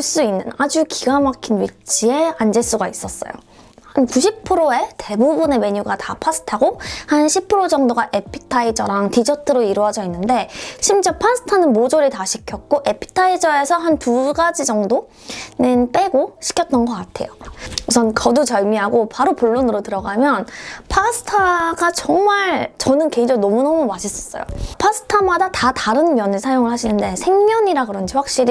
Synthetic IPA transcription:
ɭs͈uinːɯnad͡ʑukiɡamakʰinwit͡ɕ͈ʰie̞and͡ʑe̞s͈uɡais͈ʌs͈ʌjo̰ | hankuɕʰipʰɯɾoe̞te̞bubune̞me̞ɲuɡatapʰasʰɯ̥tʰaɡohanɕʰipʰɯɾod͡ʑʌŋdoɡaʔe̞pʰi̥tʰaid͡ʑʌɾaŋtid͡ʑʌtʰɯɾoiɾuɦad͡ʑʌinːɯnde̞ɕʰimt͡ɕepʰas͈ʰɯ̥tʰanɯnmod͡ʑoɾitaɕʰikʰjʌk̚k͈oʔe̞pʰi̥tʰaid͡ʑʌe̞sʰʌɦantuɡad͡ʑid͡ʑʌŋdo | nenp͈e̞ɡoɕʰi̥kʰjʌt̚t͈ʌnɡʌk͈atʰe̞̰jousʰʌnkʰʌdut͡ɕʌɭmiɦaɡopaɾopuɭːonɯɾotɯɾʌɡamjʌnpʰasʰɯ̥tʰaɡat͡ɕʌŋmaɭt͡ɕʌnɯnkeid͡ʑʌŋnʌmunʌmumaɕʰis͈ʌ̥s͈ʌ̰jo̰pʰasʰɯ̥tʰamadatataɾɯnmjʌnɯɭsʰajoŋɯɭhaɕʰinɯnde̞sʰe̞ŋmjʌɲiɾaɡɯɾʌnd͡ʑiɸwak̚ɕ͈iɾi

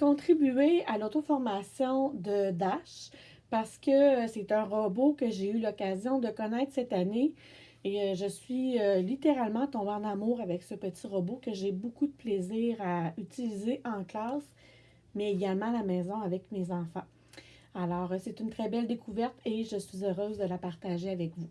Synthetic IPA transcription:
kɔ̃t̪χibyealot̪ofɔʁmasjɔ̃d̪əd̪aʃ | paʁsə̥kʲəsɛt̪œ̃ʁəbokəʒeylɔkʲazjɔ̃d̪əkɔnɛɪt̪χsɛt̪ane | eəʒəsɥiølit̪eʁalmɑ̃t̪ɔ̃beɑ̃namuːʁavɛksəpət̪iʁəbokəʒebokud̪əpleziːʁaytt͡silizeʔɑ̃klɑːs | mɛeɡʲalmɑ̃lamɛːzɔ̃avɛkmezɑ̃fɑ̃ | alɔːʁəsɛt̪ynt̪χɛbɛld̪ekuvɛʁt̪eʒəsɥizøʁøːzd̪əlapaʁt̪aʒeavɛkvu

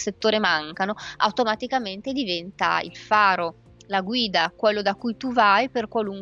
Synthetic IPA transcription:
set̪ːoːɾemaŋkanoa̰wt̪omat̪ikament̪ed̪ivɛnt̪a̰ḭlfaːɾo | laɡwiːd̪akwelːod̪akujt̪uvajperkwaluŋk

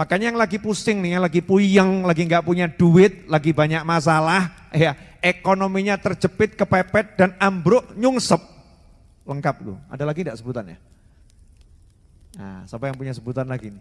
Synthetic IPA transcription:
mahkaɲajaŋlaɡipusɪŋnɪhjaŋlaɡipujəŋlaɡiŋɡaʔpuɲad̥uɪt̪̚laɡibaɲak̚mas̬alah | jaʔekonomiɲat̪ərd͡ʒəpɪt̪̚kəpɛpɛt̪̚d̥anambɾʊʔɲuŋsəp̚ | ləŋkap̚lṵa̰dalaɡindaʔsəbut̪anja̰ | a̰sapajaŋpuɲasəbut̪anlaɡinɪ

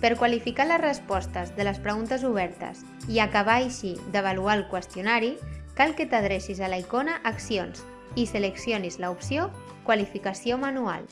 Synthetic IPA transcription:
pəɾkwalifikaləzrəspɔst̪əzðələspɾəɣunt̪əzuβ̞ɛɾt̪ə̰s | iakaβ̞ajʃid̪əβ̞alualˠkwəst̪junaɾikalˠkət̪að̞ɾeʃizalaikonəʔːksions | isələksionizləupsio | kwalifikasiomanua̰l

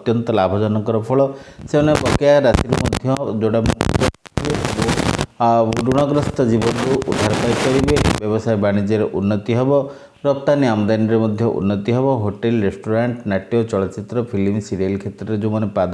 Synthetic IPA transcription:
t̪jɔnt̪ɔlabʱɔd͡ʒɔnɔkɔɾɔpʰɔɭɔsemanebɔkijaɾasiɾemɔd̪ʱjɔd͡ʒoɽamɔd̪ɔibebo | ɾuɽ̃ɔɡɾɔst̪ɔd͡ʒibɔnɾuʔud̪ʱaɾt̪ajkɔɾibebjɔbɔsajbaɽ̃id͡ʒɔɾeʔunːɔt̪iɦebɔ | ɾɔp̚t̪aniamɔd̪anɾemɔd̪ʱjɔʔṵnːɔt̪iɦebɔɦoʈelɾesʈoɾaɳʈnaʈijɔt͡ʃɔɭɔt͡ʃit̪ɾɔpʰilimsiɾielkʰet̪ɾɔɾed͡ʒumanepad̪

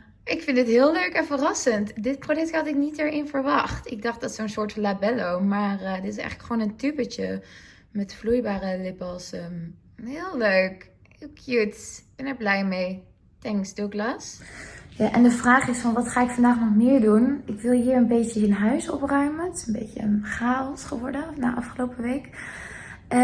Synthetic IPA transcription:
ʔɪkfɪntətɦɪːlˠløɥkɛnfərɑsəntdɪt̚prodɛk̚thɑtɪknitɛɹɪnfəɹʋɑχtɪɡ̚dɑχd̥ɑtsownsʊːɹtfnlabɛlowmaːrdɪtɪsɛ̰jχləkχəʋoːnəntypət͡ʃə̰ | mɛtflujbaːrəlɪpəlˠsəm | ɦɪːlˠløɥk | ɪkʰjut̚b̥ɛnəɹblɛjmej | tɛŋksduɪɡlasjaːʔɛndəvraːχɪsfɑnʋɑtχaːɪkfɑndaːχnɔχmɪːɹdunɪkʋɪlˠɦiːɹənbejtəɪnɦœɥsɔ̰prœɥməntɪ̥sənbḛjcə̰χaːɔsχəʋɔɹdənna̰ːʔɑfχəlowpəʋejk

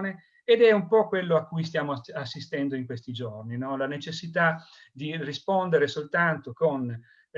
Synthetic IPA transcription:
neː | d̪ɛumpɔkwelːoakːujst̪jaːmoasːist̪ɛnd̪oiŋkwest̪id͡ʒorninɔlanet͡ʃesːit̪a | d̪irispond̪eɾesolt̪ant̪okon

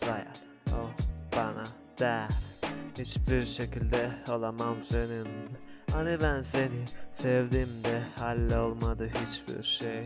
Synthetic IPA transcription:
z̥aja̰l | ob̥ana | d̪̥æɾhit͡ʃbiɾʃe̞cilʲd̪ɛo̞lˠamamsønynanibænse̞nisɛvd̪iːmd̪ɛhalʲːɛo̞lˠmad̪ɯɦit͡ʃbḭɾʃej

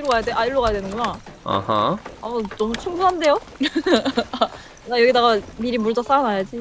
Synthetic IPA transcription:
iɾoɡajadeʔaiɭːoɡajadwe̞nɯnɡoɲaa̰haanʌmut͡ɕʰuŋbuɦande̞jo | ajʌɡidaɡamiɾimuɭd͡ʑas͈anajad͡ʑi

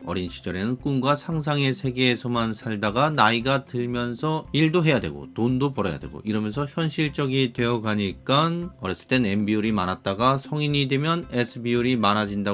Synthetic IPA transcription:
ʌ̰ɾinɕʰi̥d͡ʑʌɾe̞nɯnk͈unɡwasʰaŋsʰaŋe̞sʰe̞ɡe̞ːsʰʌmansʰaɭdaɡanaiɡatɯɭmjʌnsʰʌiɭdoɦe̞jadwe̞̰ɡo̰tondopʌɾʌ̰ja̰dwe̞ɡo̰ʔiɾʌmjʌnsʰʌçjʌnɕʰiɭt͡ɕ͈ʌɡidwe̞jʌɡaɲik͈anʌɾjʌs͈ɯɭt͈e̞nenbiuɾimanat̚t͈aɡasʰʌŋiɲidwe̞mjʌnesʰɯbiuɾimanad͡ʑinda

